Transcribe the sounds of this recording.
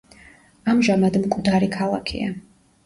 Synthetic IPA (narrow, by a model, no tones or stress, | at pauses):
amʒamad̪mkʼd̪aɾikʰalˠakʰḭa̰